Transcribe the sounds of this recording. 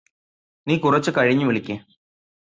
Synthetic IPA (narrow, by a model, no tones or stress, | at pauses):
niːkurɐt͡ɕːɨkɐɻiɲːɨʋiɭikʲːeː